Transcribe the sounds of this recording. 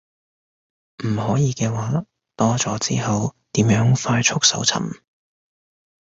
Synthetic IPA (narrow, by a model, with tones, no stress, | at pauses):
m̩˨˩ɦɔː˨˥jiː˨˧kɛː˧waː˨˥ | t̪ɔː˥t͡ʃɔː˨˥t͡sḭː˥ɦɐ˨wt̪iː˨˥mjœː˨˥ŋfaː˧jt͡ʃʰʊ˥k̚sɐ̰˨˥wt͡sʰɐ̰˨˩m